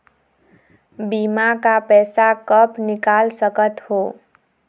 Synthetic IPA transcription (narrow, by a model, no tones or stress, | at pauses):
bimakapɛsakəpnikalsəkət̪ho